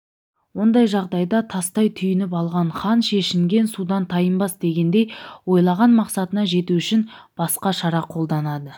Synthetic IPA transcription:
wo̞nd̪ɑjʒɑʁd̪ɑjd̪ɑt̪ʰɑst̪ɑjt̪ʰʏjɪnɪpɑlˠʁɑɴχɑnʃe̞ʃɪmɡʲe̞nsud̪ɑnt̪ʰɑjəmbɑsd̪e̞ɡʲe̞nd̪e̞jwo̞jlˠɑʁɑnmɑqsɑt̪ənɑʒe̞t̪uʏʃɪn | b̥ɑsqɑʃɑɾɑqʰo̞lˠd̪ɑnɑd̪ə

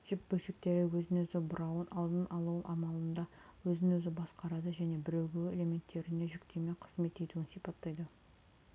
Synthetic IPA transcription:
ʒ̥ɪpbɵlʃek̚t̪e̞ɾɪwɵzɪnɵzɪbʊɾɑwənʔɑlˠd̪ənɑlˠuwənʔɑmɑlˠənd̪ɑwɵzɪnɵzɪbɑsqɑɾɑd̪əʒæne̞bɪɾe̞wɡʲɪele̞me̞nt̪ʰːe̞ɾɪne̞ʒʏkt̪ʰe̞me̞qʰə̥zme̞t̪e̞t̪uɪnsijpɑt̪ːɑjd̪ə

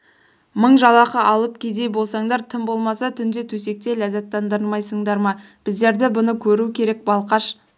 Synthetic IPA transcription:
məɴʒɑlˠɑqəʔɑlˠəp̚kʲʰe̞d̪e̞jbo̞lˠsɑɴd̪ɑɾt̪ʰɪmbo̞lˠmɑsɑt̪ʰʏnd̪et̪ʰɵse̞k̚t̪e̞læzɑt̪ːɑnd̪əɾənˠmɑjsəɴd̪ɑɾmɑ | b̥ɪzd̪e̞ɾd̪ɪbʊnəkʲʰɵɾukʲʰe̞ɾe̞k̚bɑlˠqɑʃ

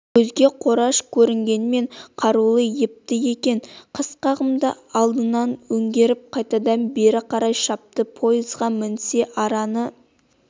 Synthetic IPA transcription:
kʰɵzɡʲe̞qʰo̞ɾɑʃkʲʰɵɾɪŋɡʲe̞nɪme̞ɴqʰɑɾulˠəjɪp̚t̪ɪje̞kʲe̞nqʰəsqɑʁəmd̪ə | ɑlˠd̪ənɑnwɵŋɡʲe̞ɾɪp̚qʰɑjt̪ɑd̪ɑnbe̞ɾɪqʰɑɾɑjʃɑp̚t̪əpʰo̞jəzʁɑmɪnse̞ʔɑɾɑnə

